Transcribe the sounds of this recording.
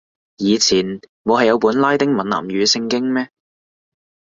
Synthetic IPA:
jiː˨˧t͡sʰiː˨˩nmo˨˧ɦɐ˨jɐ˨˧wpuː˨˥nlaː˥jt̪ɪ˥ŋmɐ˨nla̰ː˨˩mɥyː˨˧sɪ˧ŋkɪ˥ŋmɛː˥

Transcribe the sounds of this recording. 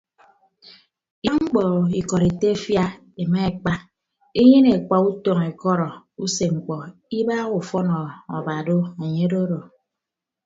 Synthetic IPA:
ja˦ŋ͡m̩˦k͡pɔ˨i˨kɔ˨ɾe˨te˦fja˦ | e˨me˦e˨k͡pa˦ | e˦ɲe˦ne˨k͡pa˨u˦tɔ˨ŋe˨kɔ˦ɾɔ˨ | u˦se˨ŋ͡m̩˨k͡pɔ˨i˦ba˦ɣu˨fɔ˦nɔ˨ɔ̰˨ba˨do˦e˨ɲe˦do˦ɾo˨

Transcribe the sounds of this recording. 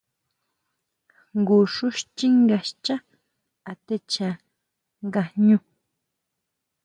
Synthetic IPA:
ŋɡu˨ʃʊ˦ʃt͡ʃi˦ŋɡa˨ʃt͡ʃa˦ | a˨t̪e˦t͡ʃa˨ | ŋɡa˨hɲu˦

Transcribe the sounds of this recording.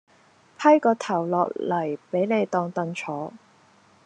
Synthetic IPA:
pʰɐ˥jkɔː˧t̪ʰɐ˨˩wlɔ̰ː˨k̚lɐ˨˩jpe˨˥jne˨˧jt̪ɔː˧ŋt̪ɐ˧nt͡sʰɔː˨˥

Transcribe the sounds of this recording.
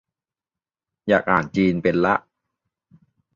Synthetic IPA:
jaː˨˩k̚ʔaː˨˩n̚t͡ɕiː˧npe˧nla˦˥ʔ

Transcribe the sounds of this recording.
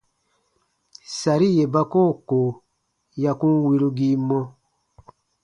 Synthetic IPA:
sa˨ɾi˦je˨ba˦koː˦˨ko˨ | ja˨kũ˦wi˧ɾu˧ɡi˦mɔ̃˦

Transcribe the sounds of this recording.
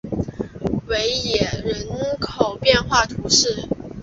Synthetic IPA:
we˧˥ɪjɛ˨˩ɻə˧˥nkʰo˨˩ʊpjɛ˥˧nxwa˥˩t̪ʰu˧˥ʂɻ̩˥˩

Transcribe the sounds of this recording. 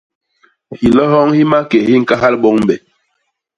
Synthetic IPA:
hi˨lɔ˦ɦɔ˦ŋhi˦ma˦ke˨hi˦ŋ̩˨ka˦ɦa˦lɓɔ˦ŋ˦ɓɛ˨

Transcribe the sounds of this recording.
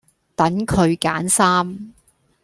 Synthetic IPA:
t̪ɐ˨˥ŋkʰɵ˨˧ɥkaː˨˥nsaː˥m

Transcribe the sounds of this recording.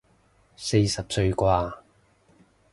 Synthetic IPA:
se˧jsɐ˨p̚sɵ˧ɥkʷwaː˧

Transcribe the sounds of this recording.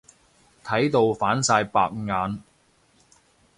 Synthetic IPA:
t̪ʰɐ˨˥jt̪o˨wfaː˨˥nsaː˧jpaː˧k̚ŋaː˨˧n

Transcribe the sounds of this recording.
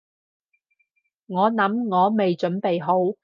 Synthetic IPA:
ŋɔː˨˧nɐ˨˥mŋɔː˨˧me˨jt͡ʃɵ˨˥npe˨jɦo˨˥w

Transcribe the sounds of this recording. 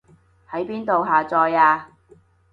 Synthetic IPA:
hɐ˨˥jpiː˥nt̪o˨wɦaː˨˩t͡sɔː˧jaː˧

